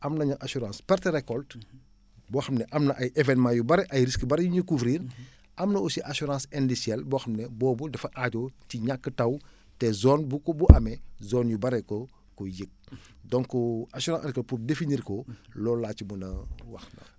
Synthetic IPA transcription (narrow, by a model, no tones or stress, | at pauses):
ʔɐmnɐɲɐʔasuɾãːspɛrtɾɛkɔlt | bɔxɐmnɛʔɐmnɐʔɐjʔevɛnmãːjubɐɾɛʔɐjɾiskbɐɾɛjuɲukuvɾiːr | ʔɐmnɐɔsiʔasuɾãːsɛndisiɛlbɔxɐmnɛbɔːbudɐfɐʔaːɟɔtiɲakːətɐw | tɛzɔːnbukɔbuʔɐmɛzɔnjubɐɾɛkɔ | kɔjik̚ | dɔ̃ŋkɔasuɾãːsɐnkɐlpurdefiniːɾkɔlɔːlaːt͡ʃimunɐwɐ̰xnɐ̰